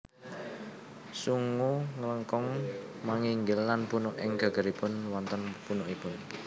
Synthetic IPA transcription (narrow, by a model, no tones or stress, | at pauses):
suŋuŋələŋkɔŋmaŋiŋɡɪlːanpunʊʔɪŋɡ̥a̤ɡ̥ə̤ɾipʊnwɔnt̪ənpunoʔipʊn